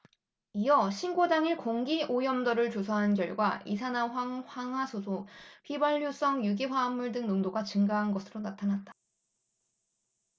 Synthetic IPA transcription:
ijʌɕʰinɡodaŋiɭkoŋɡiʔojʌmdʌɾɯɭt͡ɕosʰaɦanɡjʌɭɡwaisʰanaɸwaŋɸwaŋɦwasʰosʰoɸʰibaʎːos͈ʌŋjuɡiɸwaːmːuɭdɯŋnoŋdoɡat͡ɕɯŋɡaɦanɡʌsʰɯɾonatʰanat̚t͈ḁ

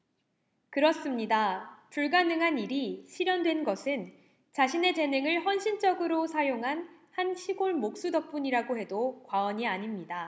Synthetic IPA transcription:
kɯɾʌs͈ɯmɲidapuɭɡanɯŋɦaniɾiɕʰiɾjʌndwe̞nɡʌsʰɯn | t͡ɕaɕʰine̞t͡ɕe̞nɯŋɯɭɸʌnɕʰint͡ɕ͈ʌɡɯɾosʰajoŋɦanhanɕʰiɡoɭmok̚s͈udʌk̚p͈uɲiɾaɡoɦe̞dokwaʌɲiaɲimɲida

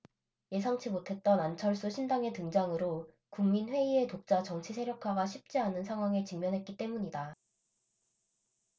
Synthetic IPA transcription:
je̞s̬ʰaŋt͡ɕʰimotʰe̞t̚t͈ʌnant͡ɕʰʌɭs͈uɕʰindaŋe̞tɯŋd͡ʑaŋɯɾo | kuŋminɸwe̞ie̞tok̚t͡ɕ͈at͡ɕʌŋt͡ɕʰisʰe̞ɾjʌkʰaɡaɕʰip̚t͡ɕ͈ianɯnsʰaŋɦwaŋet͡ɕiŋmjʌnɦe̞t̚k͈it͈e̞muɲida

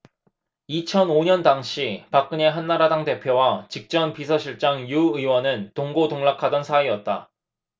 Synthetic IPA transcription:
it͡ɕʰʌnoɲʌndaŋɕʰipak͈̚ɯɲe̞ɦanːaɾadaŋte̞pʰjowat͡ɕik̚t͡ɕ͈ʌnpisʰʌɕʰiɭt͡ɕ͈aŋjuɯwʌnɯntoŋɡodoŋɭakʰadʌnsʰaiʌt̚t͈a

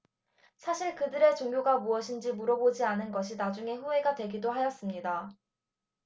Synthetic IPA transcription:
sʰaɕʰiɭkɯdɯɾe̞t͡ɕoŋɡjoɡamuʌɕʰind͡ʑimuɾʌbod͡ʑianɯnɡʌɕʰinad͡ʑuŋe̞ɸue̞ɡadwe̞ɡidoɦajʌs͈ɯmɲida

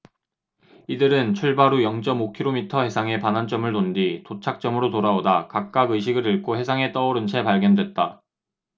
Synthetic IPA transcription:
idɯɾɯnt͡ɕʰuɭbaɾujʌŋt͡ɕ͈ʌmokʰiɾomitʰʌhe̞sʰaŋe̞panɦant͡ɕ͈ʌmɯɭnonditot͡ɕʰak̚t͡ɕ͈ʌmɯɾotoɾaodakak̚k͈aɡɯɕ̬ʰiɡɯɾɯɭk͈ʰohe̞sʰaŋe̞t͈ʌoɾɯnt͡ɕʰe̞paɭɡjʌndwe̞t̚t͈a

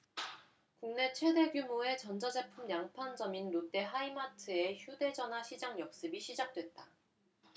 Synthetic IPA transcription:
kuŋne̞t͡ɕʰwe̞de̞ɡjumoe̞t͡ɕʌnd͡ʑʌd͡ʑe̞pʰumjaŋpʰand͡ʑʌminɾot͈e̞ɦaimatʰɯe̞çjude̞d͡ʑʌnɦaɕʰid͡ʑaŋjʌk̚s͈ɯbiɕʰid͡ʑak̚t͈we̞t̚t͈a

